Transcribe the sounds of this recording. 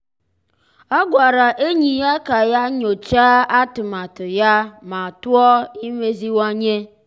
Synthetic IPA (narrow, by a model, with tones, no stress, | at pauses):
ɔ˦ɡʷa˨ɾa˨ʔe˦ɲi˨ja˦ka˨ja˦ɲo˨t͡ʃaː˦a˦tʊ˨ma˨tʊ˨ja˦ma˨tʊ˦ɔ˦i˦me˦zi˦wa˦ɲe˦